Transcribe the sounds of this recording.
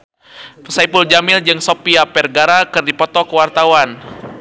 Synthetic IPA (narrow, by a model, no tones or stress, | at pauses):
psajpuld͡ʒamɪld͡ʒɨŋsopiapɛrɡaɾakɨrdipɔt̪ɔkəwart̪awan